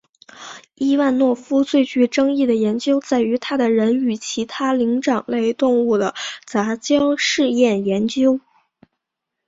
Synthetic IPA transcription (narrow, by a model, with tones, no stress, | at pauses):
i˥wa˥˧nnwɔ˥˩fu˥t͡swe˥˩ɪt͡ɕy˧˥ʈ͡ʂɤ˥ŋi˥˩d̪ə˩jɛ˧˥nt͡ɕjo˥ʊt͡sa˥˩ɪy˧˥t̪ʰa˥d̪ə˨ɻə˧˥ny˨˩t͡ɕʰi˧˥t̪ʰa˥li˧˥ŋʈ͡ʂɑ˨˩ŋle˥˧ɪt̪ʊ˥˧ŋu˥˩d̪ə˩t͡sa˧˥t͡ɕjɑ˥ʊʂɻ̩˥˧jɛ˥˩njɛ˧˥nt͡ɕjo˥ʊ